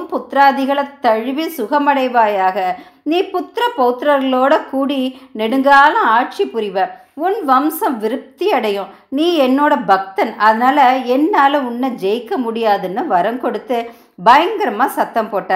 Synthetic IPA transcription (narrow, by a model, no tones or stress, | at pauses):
mpʊt̪ːɾaːðɪɣɐɭɐt̪ːɐɻʋisʊɣɐmɐɽɐɪʋaːjaːɣɐ | niːpʊt̪ɾɐpɔːt̪ːɾɐɾɣɐɭoːɽɐkuːɽinɛɽɯŋɡaːlɐ̃aːʈ̚t͡ʃipːʊɾɪʋɐ̃ː | ʊnʋɐmsɐmʋɪɾɯp̚t̪iɐɽɐjʊ̃ | niːɛnːoːɽɐbɐk̚t̪ɐnɐðɐnaːlɐɛnːaːlɐʊɳːɐd͡ʒɛjkːɐmʊɽɪjaːðɯnːɯʋɐɾɐŋkɔɽɯt̪ːɯ | bɐjɐŋɡɐɾɐmaːsɐt̪ːɐmpoːʈːɐ̃ː